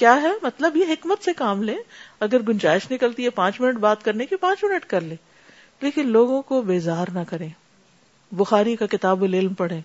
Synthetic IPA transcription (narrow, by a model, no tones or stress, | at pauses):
kjaːɦɛmɐt̪ləbjeɦɪkmət̪sekaːmlẽːɐɡəɾɡʊnd͡ʒaːɪʃnɪkəlt̪iɦɛpãːt͡ʃmɪnəʈbaːt̪kɐɾnekipãːt͡ʃmɪnəʈkɐɾlẽː | leːkɪnloːɡõkobeːzaːɾnɐkɐɾẽː | bʊxaːɾikakɪt̪aːbʊlɪlmpɐɽẽː